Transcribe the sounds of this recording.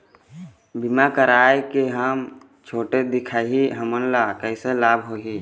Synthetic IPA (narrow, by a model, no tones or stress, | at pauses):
bimakəɾaːekeɦəm | t͡ʃʰoːʈed̪ɪkʰaːɦiɦəmənlakəɪselaːbɦoːɦiː